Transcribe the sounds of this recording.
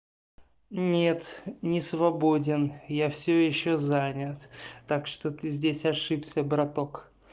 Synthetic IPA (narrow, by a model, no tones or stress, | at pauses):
nʲe̞t̪nʲɪsvɐbo̞dʲɪnjafsʲojɪɕːozanʲət̪ːakʂt̪ot̪ɨzʲdʲesʲɐʂɨpsʲəbɾɐt̪o̞k